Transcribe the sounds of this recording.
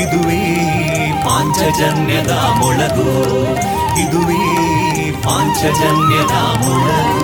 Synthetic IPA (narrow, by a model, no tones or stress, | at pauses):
id̪uʋi | paːɲt͡ʃɐd͡ʒɐnjɐd̪ɐ | mɔɭɐd̪u | id̪uʋi | paːɲt͡ʃɐd͡ʒɐnjɐd̪ɐ | mɔɭɐ